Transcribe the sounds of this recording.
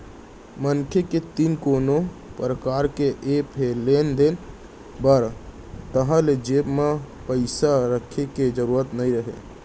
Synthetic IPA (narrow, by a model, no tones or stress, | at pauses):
mənkʰeket̪iːnkoːnopɾəkaːɾkeʔepʰelend̪en | bəɾ | t̪əɦãled͡ʒeːbma | pəɪsaɾəkʰeked͡ʒəɾuːɾət̪nəĩɾəɦḛ